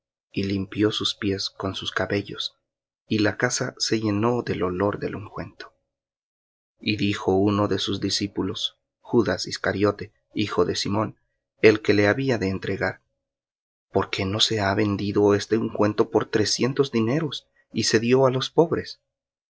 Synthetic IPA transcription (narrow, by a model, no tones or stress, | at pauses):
ilimpjo̞suspje̞sko̞nsuskaβe̞ʝo̞̰s | ilakasase̞ʝe̞no̞ðe̞lo̞lo̞ɾðe̞̰luŋkwe̞nt̪o̥ | iðixo̞uno̞ðe̞suzd̪isipulo̞s | xuðasiskaɾjo̞t̪e̞ | ixo̞ðe̞simo̞n | e̞lke̞le̞aβiaðe̞ːnt̪ɾe̞ɣaɾ | po̞ɾke̞no̞se̞aβe̞nd̪iðo̞e̞st̪euŋkwe̞nt̪o̞po̞ɾt̪ɾe̞sje̞nt̪o̞zðine̞ɾo̞s | ise̞ðjo̞alo̞spo̞βɾe̞s